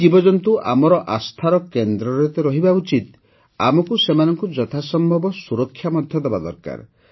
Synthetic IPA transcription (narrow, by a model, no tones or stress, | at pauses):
d͡ʒibɔd͡ʒɔnt̪uʔamɔɾɔʔast̪ʰaɾɔkend̪ɾɔɾet̪ɔɾɔɦibaut͡ʃit̪ | a̰mɔkusemanɔŋkud͡ʒɔt̪ʰasɔmbʱɔbɔsuɾɔkʰːjamɔd̪ʱjɔd̪ebad̪ɔ̰ɾka̰ɾ